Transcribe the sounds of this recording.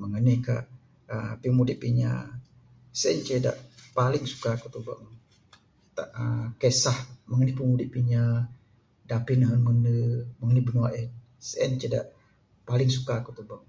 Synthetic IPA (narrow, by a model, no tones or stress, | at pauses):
məŋənɪhka̰ʔ | əpimudɪʔpiɲa̰ | sɛnt͡ʃeda̰ʔpalɪŋsu̥kakut̪uba̰ʔŋ | t̪aʔəkesahməŋənɪhpimudiʔpiɲa | dapinəɦənmənəməŋənibənuaʔɛn | sɛ̰nt͡ʃeda̰ʔ | palɪŋsukakut̪ubaŋ